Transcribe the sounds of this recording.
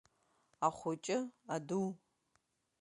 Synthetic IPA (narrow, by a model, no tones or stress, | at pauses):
aχʷʊt͡ʃʼɪaduw